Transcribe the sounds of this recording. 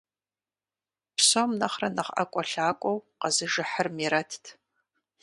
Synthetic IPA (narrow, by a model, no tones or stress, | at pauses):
psomnɐχrɐnɐχɐ̰kʷʼɔɬaːkʷʼɔwqɐzɨʒɨħərmiɾɐtʰtʰ